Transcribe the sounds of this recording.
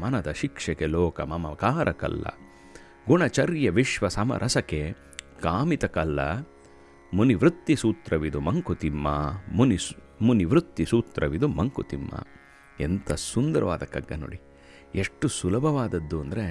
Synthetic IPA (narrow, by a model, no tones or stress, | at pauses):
mɐnɐd̪ɐʃikʂɐkeloːkɐmɐmɐkaːɾʔɐkɐ̰lːɐ̰ | ɡuɳɐt͡ʃɐɾjɐʋiʃʋɐsɐmɐ̰ɾʔɐsɐke | kaːmit̪ɐkɐlːɐ̰ | muniʋɾut̪ːisuːt̪ɾʔɐʋid̪umɐŋkut̪imːɐuni | muniʋɾut̪ːisuːt̪ɾʔɐʋid̪umɐŋkut̪imːɐ̰ | ent̪ɐsund̪ɐɾɐʋa̰ːd̪ɐkɐɡːɐno̰ːɽi | eʂʈːusulɐbʱɐʋaːd̪ɐd̪ːuɐnd̪ɐɾe